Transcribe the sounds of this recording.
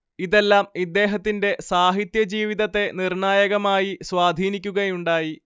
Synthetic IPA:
iðe̞lːaːmid̪ːe̞ːɦɐt̪ːinde̞saːɦit̪jɐd͡ʑiːʋiðɐt̪ːe̞nirɳaːjɐɣɐmaːjiswaːd̪ʱiːnikʲːuɣɐjuɳɖaːji

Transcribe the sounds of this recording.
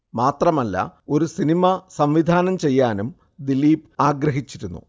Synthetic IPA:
maːt̪rɐmɐlːɐ̰o̞ɾusinimɐsɐmʋid̪ʱaːnɐmt͡ɕe̞jːaːnum | d̪iliːpaːɡrɐɦit͡ɕːiɾunːṵ

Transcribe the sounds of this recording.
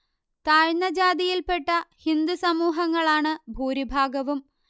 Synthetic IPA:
t̪aːɻnɐd͡ʑaːd̪ijilpe̞ʈːɐhind̪usɐmuːɦɐŋːɐɭaːɳɨbʱuːɾibʱaːɡɐʋum

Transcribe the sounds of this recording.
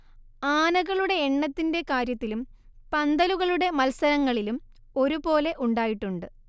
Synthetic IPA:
aːnɐɣɐɭuɽe̞ːɳːɐt̪ːinde̞kaːɾjɐt̪ːilum | pɐnd̪ɐluɣɐɭuɽe̞mɐlsɐɾɐŋːɐɭilum | o̞ɾupo̞ːle̞ʔuɳɖaːjiʈːuɳɖɨ

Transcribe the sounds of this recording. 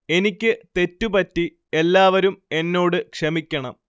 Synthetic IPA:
e̞nikʲːɨt̪e̞tːupɐtːi | e̞lːaːʋɐɾume̞nːo̞ːɽɨkʂɐmikʲːɐɳɐm

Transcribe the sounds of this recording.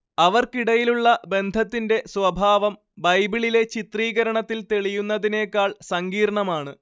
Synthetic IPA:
ɐʋɐrkiɽɐjiluɭːɐbe̞nd̪ʱɐt̪ːinde̞sʋɐbʱaːʋɐm | bɐjbiɭile̞t͡ɕit̪riːɣɐɾɐɳɐt̪ːilt̪eɭijunːɐðine̞ːkːaːɭsɐŋɡiːrɳɐmaːɳɨ

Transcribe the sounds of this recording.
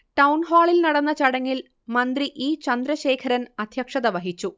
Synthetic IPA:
ʈɐwnɦaːɭilnɐɽɐnːɐt͡ɕɐɽɐŋːil | mɐnd̪riʔiːt͡ɕɐnd̪ɾɐɕe̞ːkʰɐɾɐnɐd̪ʱjɐkʂɐðɐʋɐɦit͡ɕːu

